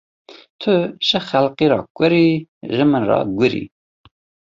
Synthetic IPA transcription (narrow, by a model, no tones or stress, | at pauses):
t̪ʰʊʃəxælqiɾɑ̰ːkʷʼəɾiʒɨmənrɑ̰ɡʷɪɾḭ